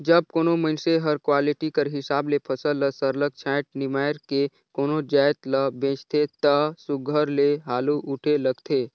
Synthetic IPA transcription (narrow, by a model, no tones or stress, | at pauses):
d͡ʒəb̚koːnomənseɦɐɾkwaːlɪʈikəɾɦɪsaːblepʰəsələsəɾlək̚t͡ʃʰaːɪʈ̚nɪmaːjɾke | koːnod͡ʒaːɪt̪ləbẽːt͡ʃt̪ʰet̪əsʊɡʱəɾleɦaːluʔʊʈʰeləɡt̪ʰeː